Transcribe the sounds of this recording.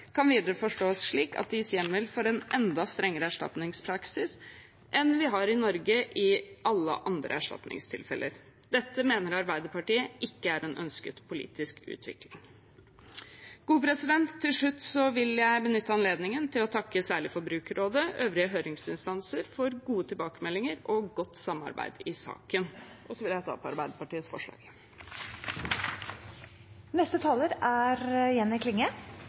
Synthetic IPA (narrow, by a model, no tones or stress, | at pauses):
kʰɑnʋiːd̪əɾəfɔʂʈoːɔsʂɭiːkɑ̰t̪̚d̪ɪsjɛmːəlfɔɾɛnʔɛnd̪ɑst̪ɾɛŋːəɾəæʂʈɑ̰t̪nɪŋspʰɾɑksɪs | ʔɛnʋɪɦɑɾɪnɔɾɡəʔɪɑlːə̰ʔɑnd̪ɾə̰æʂʈɑ̰t̪nɪ̰ŋst̪ʰɪ̰lfɛ̰lʔə̰ɾ | d̪̥ɛt̪ːəmeːnəɾɑɾbæɪd̪əpɑʈiːəʔɪkːəæɾɛnʔœ̰nskət̪pʰʊlḭːt̪ɪskʰʉ̰ːt̪ʰʋɪ̰klɪ̰ŋ | ɡ̥uːpɾɛsɪd̪ɛnt̪ʰːɪlʂɭʉt̪ːsɔʋɪljæɪbənʏt̪ːəɑnleːd̪nɪŋənt̪ʰɪlɔt̪ʰɑkːəsæːɭɪfɔɾbɾʉːkɾoːd̪əøːʋɾɪəɦøːɾɪŋsɪnst̪ɑnsəɾfɔɾɡuːət̪ʰɪlbɑːkəmɛlːɪŋəɾɔɡɔt̪ːsɑmːɑ̰ɾbæ̰ɪd̪ɪsɑ̰ːkən | ʔɔsɔʋɪljæɪt̪ʰɑ̰ːpʰɔɑ̰ɾbæɪd̪əɾpɑʈiːəsfɔ̰ʂɭɑ̰ːɡ | nɛst̪ət̪ʰɑːləɾæɾjɛnːɪkʰlɪŋːə